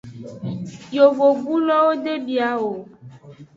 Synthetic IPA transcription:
jo˨vo˨ɡu˦lɔ˦wo˦ɖe˦bi˨a˨˦wo˨

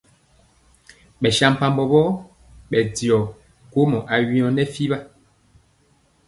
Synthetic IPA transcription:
ɓɛ˨ʃa˦m˨pa˦mbɔ˨bɔ˦ | ɓɛ˨di˨ɔ˨ | ko˦mɔ˨ʔa˨ɥĩ˨˦ɔ˨nɛ˦fi˦ba˦

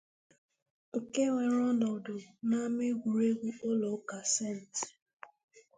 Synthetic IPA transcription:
o˨ke˦wʷe˨ɾɔ˦dɔ˨do˨na˦mɪ˦ɡʷu˨ɾe˦ɡʷu˦o˦lɔ˨˦ka˨se˦˨n̩˨tɪ̥˨

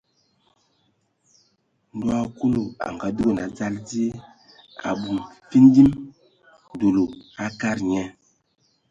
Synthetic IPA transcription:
n˨dwa˦ku˦lo˨a̰˨ŋɡa˨du˦o˨na˨d͡za˦ld͡zi˦e˦ | a̰˨ɓu˨nfi˦ndi˦m | n˨do˨lo˨a˦ka˦˨ɾɲɛ˦

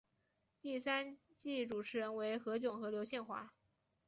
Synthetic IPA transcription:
t̪i˥˩sa˥n | t͡ɕi˥˩ʈ͡ʂu˨˩ʈ͡ʂʰɻ̩˧˥ɻə˧˥nwe˧˥ɪxɤ˧˥t͡ɕjʊ˨˩ŋxɤ˧˥ljo˧˥ʊɕjɛ˥˧nxwa̰˥˩

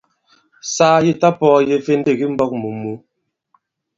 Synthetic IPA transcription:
saː˦je˦ta˦pɔː˦˨je˨˦fe˦n˦de˦˨ɡi˦m̩˦bɔ˦k̚mu˨mu˨˦

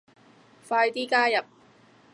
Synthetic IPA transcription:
faː˧jt̪iː˥kaː˥jɐ˨p̚

